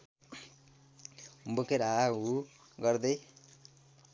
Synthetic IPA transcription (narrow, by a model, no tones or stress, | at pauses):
bukeɾau | ɡʌɾd̪ej